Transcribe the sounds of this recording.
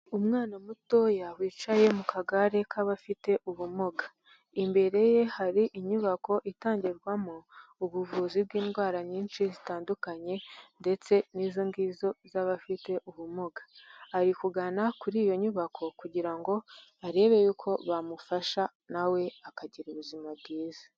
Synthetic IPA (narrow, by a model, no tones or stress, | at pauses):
umŋaːnamuto̞jawiːt͡ʃaje̞mukaɡaɾe̞kʰaβafite̞ʔuβumoɡa | imbe̞ɾe̞je̞haɾiʔiɲuβako̞ʔitaːɲɟeɾɡwamouβuvuːzib̚ɡiːnɡwaːɾaɲiːnʃizitaːndukaɲe̞nde̞t͡se̞niːzoŋɡiːzo̞zaβafite̞ʔuβumoɡḁːɾikuɡanakuɾiːjo̞ɲuβakʰo̞kuɟiɾaŋɡo̞aɾe̞ːβe̞juːkʰo̞βamufaʃa | nawe̞akaɟiɾuβuzimab̚ɡiːza